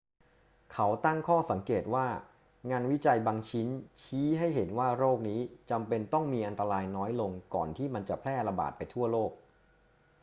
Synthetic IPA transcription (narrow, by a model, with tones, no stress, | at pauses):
kʰa˦˥wt̪a˥˩ŋkʰɔː˥˩sa˩˦ŋkeː˨˩t̪̚waː˥˩ | ŋaː˧nwi˦˥t͡ɕa˧jbaː˧ŋt͡ɕʰi˦˥nt͡ɕʰiː˦˥ɦa˥˩jɦe˩˦nwaː˥˩ɾoː˥˩k̚niː˦˥t͡ɕa˧mpe˧nt̪ɔ˥˩ŋmiː˧ʔa˧nt̪a˧ɾaː˧jnɔː˦˥jlo˧ŋkɔː˨˩nt̪ʰiː˥˩ma˧nt͡ɕa˨˩pʰlɛː˥˩ɾa˧ba̰ː˨˩t̪̚pa˧jt̪ʰu˥˩ɐloː˥˩k̚